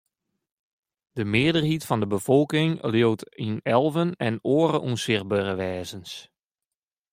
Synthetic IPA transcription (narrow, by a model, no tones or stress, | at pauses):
d̥əmɪədərhitfɔndəbəfɔlˠkɪŋljowtinɛlˠvənɛnoːəɾəʔunsɪrbørəʋɛːzəns